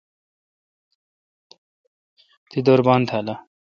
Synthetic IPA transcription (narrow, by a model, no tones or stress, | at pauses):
t̪id̪oɾbaːnt̪ʰala